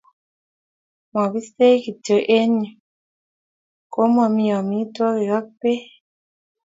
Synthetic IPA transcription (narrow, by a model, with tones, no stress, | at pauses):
mɔ˨bi˦se˦ki˨tə˨ʔe˦ɲi˨ | ko˦mɔ˨mi˨jɔ˨mi˨˦twɔ˦ki˨ɣa˦k̚pe˦